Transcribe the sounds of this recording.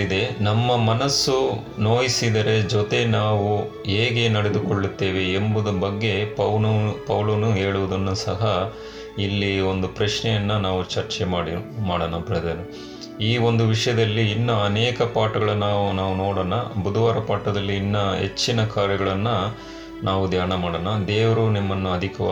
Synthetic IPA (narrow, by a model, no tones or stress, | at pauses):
id̪e̞nɐmːɐmɐnɐsːu | no̞ːjisid̪ɐɾe̞d͡ʒot̪e̞naːʋu | ɦeːɡe̞nɐɽe̞d̪ukoɭːut̪ːe̞ːʋe̞ːmbud̪ɐbɐɡːe̞pɐwpɐwlɐnuɦe̞ːɭuʋud̪ɐnːusɐɦɐ | ilːio̞nd̪upɾɐʃɳɛjɐnːɐnaːʋut͡ʃɐɾt͡ʃɛmaːɽimaːɽɐnɐbiɽed̪enu | iːo̞nd̪uʋiʂɐjɐd̪ɐlːiːnːɐːnɛːkɐpaːʈɐɡɐɭɐnaːʋunaːʋunoːɽɐnɐbud̪ɐʋaːɾɐpaːʈɐd̪ɐlːiːnːɐɦet͡ʃːinɐkaːɾjɐɡɐɭɐnːɐ | naːʋud̪ʱjaːɳɐmaːɽɐnɐd̪eːʋɐɾunimːɐnːuɐd̪ʱikɐʋ